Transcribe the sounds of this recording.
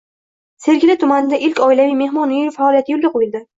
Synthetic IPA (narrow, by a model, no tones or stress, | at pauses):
se̞ɾɡʲɪlɪt̪ʰʊmanɪd̪aʔɪlkʲɒɪlavijme̞hmɒnːefaːlˠijat̪ʰɪjolɡʲaqʰojɪld̪ɪ